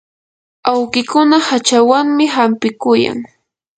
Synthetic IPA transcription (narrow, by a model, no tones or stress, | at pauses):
awɢɪkʊnahat͡ʃawaŋmɪɦampɪkʊja̰ŋ